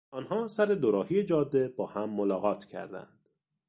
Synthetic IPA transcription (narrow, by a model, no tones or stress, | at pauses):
ɒːnɦɒːsæɾe̞d̪oɾɒːhijed͡ʒɒːd̪ːe̞bɒːhæmːolɒːɣɒːt̪ʰcʰæ̰ɾd̪æ̰nd̪̥